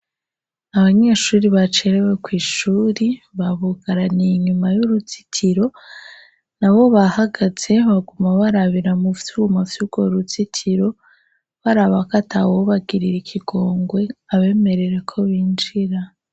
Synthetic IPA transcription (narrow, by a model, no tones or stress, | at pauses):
aβaɲe̞ːʃuːɾiβat͡ʃe̞ɾewekwiːʃuːɾiβaβuɡaɾaniɲumajuɾut͡si̥tʰiɾo̞ | naβo̞βahaɡaz̥e̞βaɡumaβaɾaβiɾamufjuɡumavjuɡ̥oɾut͡sitʰiɾo̞ | βaɾaβakatʰawoβaɡiɾiɾikʰiɡo̞ːŋɡwe̞aβe̞ːme̞ɾe̞ɾe̞kʰo̞βiːnd͡ʒiɾa